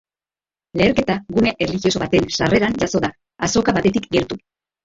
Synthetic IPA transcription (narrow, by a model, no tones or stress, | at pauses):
le̞ːɾke̞t̪aɣuneʔerlixioso̞βat̪e̞nsare̞ɾanʝaso̞ða | aso̞kaβat̪e̞t̪ikɡeɾt̪u